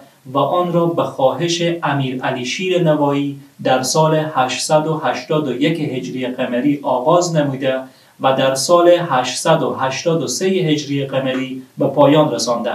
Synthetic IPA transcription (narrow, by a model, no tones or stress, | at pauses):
væʔɒːnɾɒːbæxɒːɦeʃeʔæmiːɾæliʃiːɾenævɒːjiːd̪æɾsɒːlehæʃsæd̪ohæʃt̪ɒːd̪ojekeɦed͡ʒɾieqæmæɾiːʔɒːɣɒːznæmud̪æ | væd̪æɾsɒːlehæʃsæd̪oɦæʃt̪ɒːd̪osejeɦed͡ʒɾijeqæmeɾiːbæpʰɒːjɒnɾesɒnd̪æ̰